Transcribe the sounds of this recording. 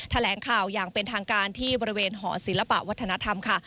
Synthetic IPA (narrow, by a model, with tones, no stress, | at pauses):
t̪ʰa˧lɛː˩˦ŋkʰaː˨˩wjaː˨˩ŋpe˧nt̪ʰaː˧ŋkaː˧nt̪ʰiː˥˩bɔː˧ɾi˦˥weː˧nɦɔː˩˦si˩˦nla˧pa̰˨ʔwa˦˥t̪ʰːa˧na˦˥t̪ʰa˧mkʰa˥˩